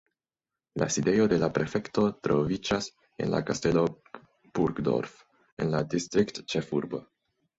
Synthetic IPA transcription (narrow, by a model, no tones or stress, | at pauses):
la̰side̞jo̞de̞lapɾe̞fe̞kto̞t̪ɾo̞vid͡ʒas | ḛnla̰kaste̞lo̞ | b̥uɾɡdo̞̰ɾf | enladist̪ɾiktt͡ʃefuɾbo̰